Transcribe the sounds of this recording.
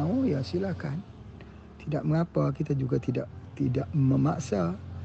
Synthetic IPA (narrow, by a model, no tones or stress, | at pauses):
aujasilahkan | t̪idaʔ̚məŋapakit̪ad͡ʒuɡat̪idaʔt̪idaʔməmaʔsa